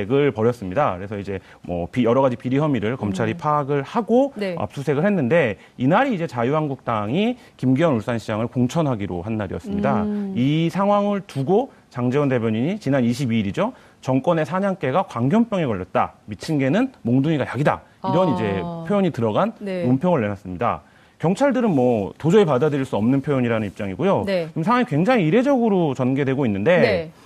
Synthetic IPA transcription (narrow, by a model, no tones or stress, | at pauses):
eɡɯɭpʌɾjʌs͈ɯmɲidakɯɾe̞sʰʌid͡ʑe̞ | mʌ̰pijʌɾʌɡad͡ʑipiɾiɦʌmiɾɯɭkʌmt͡ɕʰaɾipʰaːɡɯɭhaɡoa̰p̚s͈usʰe̞ɡɯɭhe̞nːɯnde̞ | inaɾiːd͡ʑe̞t͡ɕajuɦanɡuk̚t͈aŋi | kimɡiwʌnuɭs͈anɕʰid͡ʑaŋɯɭkoŋt͡ɕʰʌnɦaɡiɾo̰ɦanːaɾḭjʌs͈ɯmɲida̰isʰaŋɦwaŋɯɭtuɡo | t͡ɕaŋd͡ʑeɯnde̞bʱʲjʌɲiɲit͡ɕinaniɕʰibiːɾid͡ʑo | t͡ɕʌŋk͈ʌne̞sʰaɲaŋk͈e̞ɡakwaŋɡjʌmp͈jʌŋe̞kʌʎːʌt̚t͈a̰mit͡ɕʰinɡe̞nɯnmoŋduŋiɡajaɡida̰ | iɾʌnid͡ʑe̞pʰjojoɲitɯɾʌɡanmompʰjʌŋɯɭːe̞nas͈ɯmɲida̰ | kjʌŋt͡ɕʰaɭdɯɾɯnmwʌtod͡ʑʌipadadɯɾiɭs͈uʌmnɯnpʰjojoɲiɾanɯnip̚t͡ɕ͈aŋiɡojoimsʰaŋwaŋikwe̞ŋd͡ʑaŋiːɾe̞d͡ʑʌɡɯɾot͡ɕʌnɡe̞dwe̞ɡoinːɯnde̞